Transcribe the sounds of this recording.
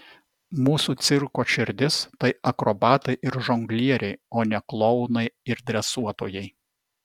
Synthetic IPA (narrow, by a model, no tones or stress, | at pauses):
muːsuːt̪sʲɪɾkoːʃʲɪɾʲd̪ʲɪst̪ɐɪɐkɾobɑːt̪ɐɪʔɪɾʒɔŋɡlʲiɛɾʲɛɪoːnʲɛklˠɔʊnɐɪɪɾd̪ʲɾʲɛsuɔt̪oːjɛɪ